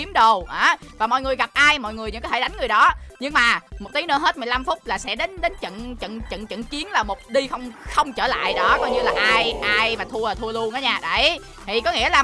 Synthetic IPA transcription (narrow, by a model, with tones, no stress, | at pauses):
i˨˦əmɗə˨˩wʔaː˨˩vaː˨˩mɔ̰˧˨jŋɨ˨˩əjɣa˨˩p̚ʔaː˧jmɔ̰˧˨jŋɨ˨˩əjɲɨ̰˧˥kaː˨˦tʰeː˧˩ɗa˨˦jŋ̟ŋɨ˨˩əjɗɔ˨˦ɲɨ˧ŋmaː˨˩mo˨˩t̪̚i˨˦nɨ̰˧˥ɦe˦˥t̚mɨ˨˩jla˧mfʊ˦˥k͡p̚laː˨˩sɛ̰˧˥ɗe˨˦nɗe˨˦nt͡ɕə̰˧˨nt͡ɕə̰˧˨nt͡ɕə̰˧˨nt͡ɕə̰˧˨nt͡ɕi˨˦ənlaː˨˩mo˨˩t̚ɗi˧xə˧wŋ͡mxə˧wŋ͡mt͡ɕəː˧˩la̰ː˧˨jɗɔ˨˦kɔ˧jɲɨ˧laː˨˩ʔaː˧jʔaː˧jmaː˨˩t̪ʰu˧əlaː˨˩t̪ʰu˧əlu˧ənʔaː˨˦ɲaː˧˩ɗə˧˩j | t̪ʰi˨˩kɔ˨˦ŋḭ˧˥əlaː˨˩